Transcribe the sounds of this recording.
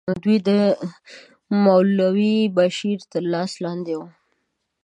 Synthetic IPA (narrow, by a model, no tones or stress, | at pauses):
d̪wid̪ə | mawllawibaʃiɾt̪əɾlɑslɑnd̪ewu